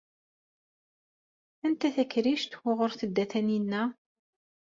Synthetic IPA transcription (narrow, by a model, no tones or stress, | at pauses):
ænt̪æθækːɾiʃt̪ʊʁʊɾθəd̪ːæθæninːæ